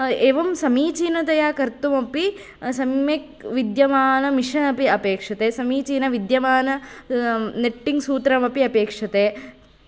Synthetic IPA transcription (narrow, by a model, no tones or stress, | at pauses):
eːʋɐmsɐmiːt͡ʃiːnɐt̪ɐjaːkɐɾt̪umɐpi | sɐmek̚ | ʋid̪jɐmaːnɐmiʃɐnɐpiɐpeːkʂɐt̪eːsɐmiːt͡ʃiːnɐʋid̪jɐʋaːnɐ | neʈːiŋɡsuːt̪ɾɐmɐpiɐpeːkʂɐt̪eː